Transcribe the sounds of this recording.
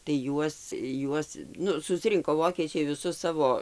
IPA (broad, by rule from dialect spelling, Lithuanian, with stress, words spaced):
tɐɪ ˈjuɔs ˈjuɔs ˈnʊ sʊsʲˈrʲɪŋkoː ˈʋoːkʲiɛt͡ʃʲɛɪ ʋʲɪˈsʊs ˈsɑːʋoː